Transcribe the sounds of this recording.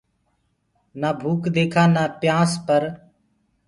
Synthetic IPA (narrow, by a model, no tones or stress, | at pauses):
naːbʱuːkd̪eːkʰãːnaːpjãːspəɾ